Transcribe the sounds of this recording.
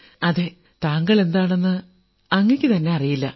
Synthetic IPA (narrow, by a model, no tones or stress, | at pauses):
ɐðe | t̪aːŋɡɐɭe̞nd̪aːɳe̞nːɨ | ɐŋːɐkʲːɨt̪ɐnːe̞ɐrijilːɐ